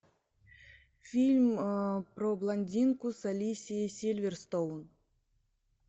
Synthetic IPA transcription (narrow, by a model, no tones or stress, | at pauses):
fʲilʲmpɾɔblˠanʲdʲinkusalʲisʲijisʲilʲvʲɛrst̪own